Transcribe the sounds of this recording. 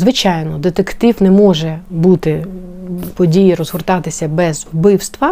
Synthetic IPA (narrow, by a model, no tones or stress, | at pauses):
zʋɪt͡ʃɑjnɔd̪et̪ekt̪iwnɛmɔʒɛbut̪ɪ | pɔdʲijiɾɔzɦʊrt̪ɑt̪ɪsʲɐbɛzbɪwst̪ʋɐ